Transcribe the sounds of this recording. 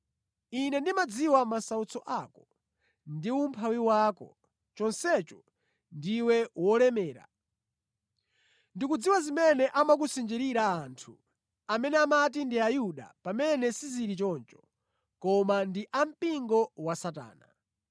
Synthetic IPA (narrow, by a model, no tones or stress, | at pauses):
inɛndimad͡ziwamasaut͡sʰɔʔakɔ | ndium̩pʰawiwaːkɔ̰ | t͡ʃɔnsɛt͡ʃɔ | ndiwɛwɔlɛmɛːɾa̰ | ndikud͡ziwazimɛnɛʔamak̬usind͡ʒiɾiɾaːntʰu | amɛnɛamat̬indiajuɗa̰pamɛnɛsiziɾit͡ʃɔnt͡ʃɔ̥ | kɔmandiʔam̩piŋɡɔwasata̰ːna̰